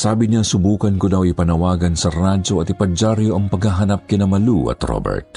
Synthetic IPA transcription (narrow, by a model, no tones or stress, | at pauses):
saːbɪɲasʊbuːkɐnkʊd̪awɪpɐnɐwaːɡɐnsɐɾad͡ʒoɐt̪ɪpɐd͡ʒaɾjoʔɐŋpɐɡhaɦɐnap̚kɪnɐmɐluʔɐ̰t̪ɾo̰bɛ̰ɹt̪̚